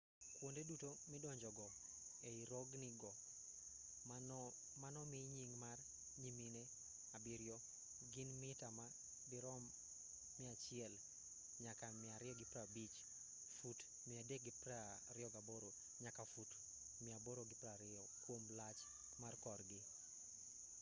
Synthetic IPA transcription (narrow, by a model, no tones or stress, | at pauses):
kwondedutomɪdɔɲd͡ʒɔɡɔ | eiɾɔɡnɪɡɔ | manɔmiɲiŋmar | ɲimine | abɪɾjɔ | ɡɪnmɪtama | bɪɾɔmː | ɪat͡ʃɪɛl | ɲakamɪaɾɪɔɡɪpɾabit͡ʃ | fut | mɪadek̚ɡɪpra | ɾɪɔɡaboɾo | ɲakafut | mɪaboɾoɡɪpɾaɾɪɔkwomlat͡ʃ | markɔrɡɪ